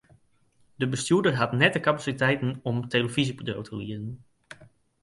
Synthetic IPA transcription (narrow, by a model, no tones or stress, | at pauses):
dəbəstjuədərɦatnɛtəkapasitɛjtənɔmteləvizipodo̰wtʰəliədən